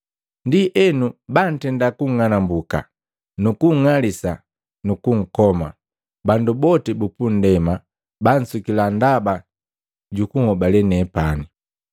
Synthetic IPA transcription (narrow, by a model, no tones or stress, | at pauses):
ndiʔɛnuban̩tɛndakuŋŋanambuka̰ | nukuŋŋalisa | nukuŋ̩kɔma̰ | bandubɔtɛbupun̩dɛma | ban̩sukilandaba | ɟukuhɔbalɛnɛpani